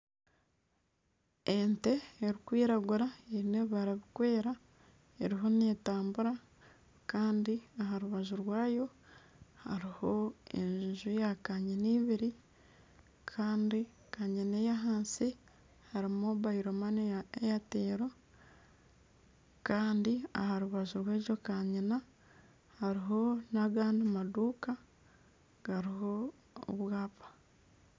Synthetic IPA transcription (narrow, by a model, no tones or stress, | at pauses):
ente̞eɾikwiːɾaɡuɾaeɾineβaɾaβikwe̞ːɾa | e̞ɾiɦo̞ne̞ːtaːmbuɾa | kaːndiaɦaɾuβaʒuɾwaːjo̞ | haɾiho̞ḛɲʒʒujakaɲeniːβiɾi | kʰaːndi | kaɲinejaɦaːnsi | haɾimoβaiɾomaneejateːɾo | kaːndia̰haɾuβaʒuɾweːd͡ʒokaɲina | haɾiɦo̞naɡaːndimaduːka | ɡ̥aɾiɦo̞ | o̰βwaːpḁ